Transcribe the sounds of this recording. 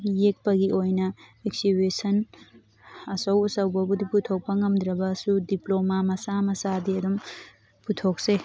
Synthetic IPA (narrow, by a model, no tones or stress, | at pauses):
jek̚pɐɡiʔojnɐeksibesɐn | ɐsɐwusɐwbɐbudiputʰok̚pɐŋɐmd̪ɾɐbɐsudiplomamɐsamɐsadiɐdum | putʰokse